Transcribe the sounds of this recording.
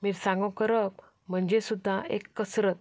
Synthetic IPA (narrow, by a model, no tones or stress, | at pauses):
miːɾsãŋɡɔ̃kəɾəp̚ | m̤əɳd͡ʑesud̪ʱːaḛkːəsɾət̪̚